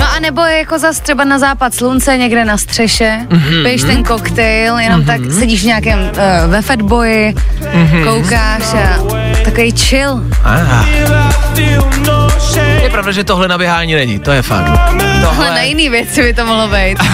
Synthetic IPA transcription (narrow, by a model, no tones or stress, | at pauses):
noʔanɛbojjakozast̪r̥ɛbanazaːpat̪slunt͡sɛɲɛɡdɛnast̪r̥ɛʃɛbɪjɛʃt̪ɛnkokt̪ɛjljɛnomt̪aksɛɟiːʃvɲaːkɛmvɛfɛdbojɪ | ɦkowkaːʃa | t̪akovejt͡ʃɪl | aat̪ɪoʃɛjɛpɾavdaʒɛt̪oɦlɛnabjɛɦaːɲiːnɛɲḭt̪ojɛfa̰kt̪oalɛnajɪniːvjɛt͡sɪbɪt̪omoɦlobɛjt̪